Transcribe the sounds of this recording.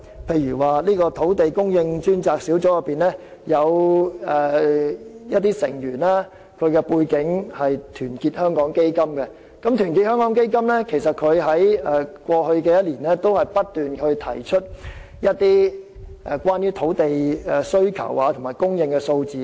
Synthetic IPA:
pʰe˧jɥyː˨˩waː˨liː˥kɔː˧t̪ʰo˨˥wt̪e˨jkʊ˥ŋjɪ˧ŋt͡ʃyː˥nt͡saː˧k̚si˨˥wt͡sɔː˨˥jɐ˨˧pːiː˨nlɛː˥ | jɐ˨˧wɛ˨ | jɐ˥t̪̚iː˥sɪ̰˨˩ŋjyː˨˩naː˥ | kʰɵ˨˧ɥkɛ˧puː˧jkɪ˨˥ŋhɐ˨jt̪ʰyː˨˩nkiː˧t̚hœː˥ŋkɔː˨˥ŋke˥jkɐ˥mkɛ˧ | kɐ˨˥mt̪ʰyː˨˩nki˧t̚hœː˥ŋkɔː˨˥ŋke˥jk̬ɐ˥mlɛː˥kʰe˨˩js̬ɐ˨t̚kʰɵ˨˧ɥɦɐ˨˥jɛ˨kʷɔː˧hɵ˧ɥkɛː˧jɐ˥t̚liː˨˩nlɛː˥t̪o˥whɐ˨jpɐ˥t̚t̪ːyː˨nkʰɵ˧ɥt̪ʰɐ̰˨˩jt͡ʃʰɵ˥t̚ | jɐ˥t̚t̪iː˥ʔɛ˨˧kʷaː˥njyː˥t̪ʰo˨˥wt̪e˨jɛ˨˧sɵ˥ɥkʰɐ̰˨˩waː˨˧t̪ʰʊ˨˩ŋmaː˨˩jkʊ˥ŋjɪ˧ŋkɛ˧so˧wt͡siː˨

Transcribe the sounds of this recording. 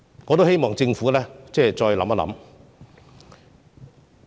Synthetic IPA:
ŋɔː˨˧t̪o˥whe˥jmɔː˨ŋt͡sɪ˧ŋfuː˨˥lɛː˥t͡sɛː˥˧˩t͡sɔː˧jlɐ˨˥mɐ˥lɐ̰˧˥m

